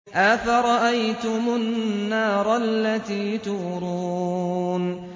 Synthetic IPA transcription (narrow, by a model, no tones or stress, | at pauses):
ʔaθaɾˤɑʔajt̪ʊmʊnːɑːɾˤɑalːat̪iːt̪ʊɾuːuːn